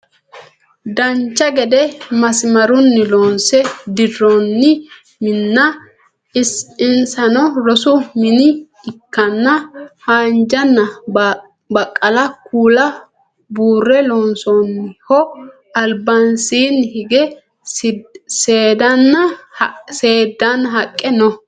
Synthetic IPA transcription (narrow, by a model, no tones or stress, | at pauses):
d̪ɐɲt͡ʃːɐɡɛd̪ɛmɐsɪmɐɾʊnːɪlɔːnsɛd̪ɪrːonːɪ | mɪnːɐ | ɪsɪnsɐnɔɾɔsʊmɪnɪː | kːɐnːɐhaːnd͡ʒɐnːɐ | bɐkʼːɐlɐkʰuːlɐ | buːrːɛlɔːnsonːɪhɔ | ɐlbɐnsiːnhɪɡɛ | seːd̪ɐnːɐ | se̞ːd̪ːɐnːɐɦɐkʼːɛnɔ